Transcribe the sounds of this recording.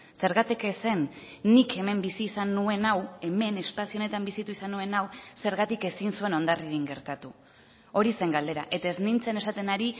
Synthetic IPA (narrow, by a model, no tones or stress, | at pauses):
se̞ɾɣat̪ikese̞nːike̞me̞mbisiːsanːue̞nawe̞me̞ne̞spasione̞t̪ambisit̪uisanːue̞nawse̞ɾɣat̪ike̞sinsue̞no̞nd̪ariɾiŋɡeɾt̪at̪u | o̞ɾise̞ŋɡald̪e̞ɾa̰ʔe̞t̪ae̞znint͡sene̞sat̪e̞naɾi